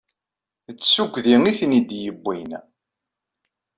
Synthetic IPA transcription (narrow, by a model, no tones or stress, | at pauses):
ət͡sːsuɡʷðiŋiθnid̪jəbːin